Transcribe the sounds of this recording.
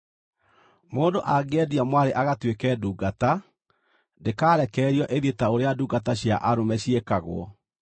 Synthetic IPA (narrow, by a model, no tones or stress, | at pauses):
moːndoʔaɡɛdiamwaɾeʔaɣatwekɛːduːɡata | ndekaːɾɛkɛːɾiɔʔeðetaoɾeaduːɡataɕja̰ʔaɾomɛɕiekaɣw̰ɔ̰